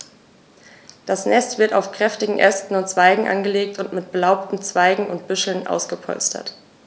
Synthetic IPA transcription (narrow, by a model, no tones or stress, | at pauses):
d̥asnɛstv̥ɪɐta̰ʊfkʁ̥ɛftɪɡŋ̩ʔɛstn̩ʊntt͡sv̥aɪɡŋ̩ʔa̰nɡəleːktʊntmɪt̚b̥əlaʊptn̩t͡sv̥aɪɡŋ̩ʊnt̚b̥ʏʃl̩nʔa̰ʊsɡ̥əpʰɔ̰lstʰɐ̰t